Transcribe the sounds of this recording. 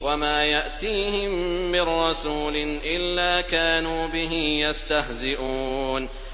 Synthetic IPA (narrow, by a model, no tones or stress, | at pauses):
wamaːjaʔt̪iːhɪmːɪnːɑsuːlɪʔɪlːaːkaːnuːbɪɦɪmjast̪ahzɪʔuːn